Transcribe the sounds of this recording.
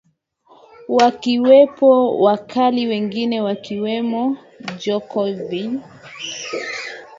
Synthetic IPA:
wakiwɛpɔwakʰaliwɛŋɡinɛwakiwɛmɔ | d͡ʒɔkɔvi

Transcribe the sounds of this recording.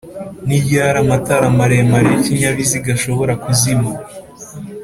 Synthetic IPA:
nibjaɾamataɾamaɾemaɾeciɲaβiziɡaʃo̞βo̞ɾakuzima

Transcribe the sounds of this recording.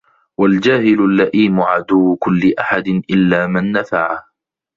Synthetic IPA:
wald͡ʒaːhɪlʊlːaʔiːmʊʕad̪ʊwkʊlːɪʔaħad̪ɪnʔɪlːaːmanːafaʕah

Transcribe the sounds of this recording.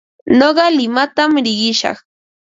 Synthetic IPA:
noɢɑlɪmat̪amɾɪɢɪʃɑ̰χ

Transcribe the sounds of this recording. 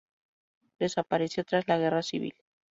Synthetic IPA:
d̪e̞sapaɾe̞θjot̪ɾazlaɣ̞e̞rasiβ̞ḭl

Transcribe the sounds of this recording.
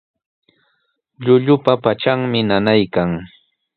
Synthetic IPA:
ʎʊʎʊpapat͡ʃaŋmɪnanajkaŋ

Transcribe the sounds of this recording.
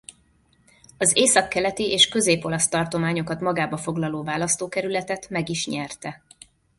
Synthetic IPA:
ɒzeːsɒkːɛlɛt̪iʔeːʃkø̞zeːpo̞lɒst̪ɒrt̪o̞maːɲo̞kɒt̪mɒɡaːbɒfo̞ɡlɒloːvaːlɒst̪oːkɛɾylɛt̪ɛt̪mɛɡiʃɲɛrt̪ɛ

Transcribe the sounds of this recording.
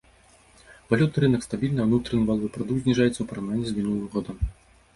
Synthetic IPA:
valʲut̪nɨɾɨnɐkst̪abʲilʲnɨwnut̪ɾɐnɨvalˠvɨpɾɔd̪uk̪̚zʲnʲiʐajɛt̪sːɐwpɐɾawnanʲːizʲmʲinulˠɐvɐɣɔd̪ɐm

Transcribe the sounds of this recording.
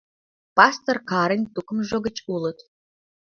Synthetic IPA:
pɑst̪ərkɑɾə̆nʲt̪ukə̆mʒoɡə̆t͡ɕulə̆t̪

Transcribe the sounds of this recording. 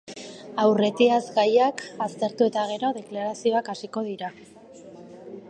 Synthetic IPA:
awre̞t̪iazɡajakast̪e̞ɾt̪ue̞t̪aɣ̞e̞ɾo̞ðe̞klaɾasio̞akasiko̞ð̞iɾa

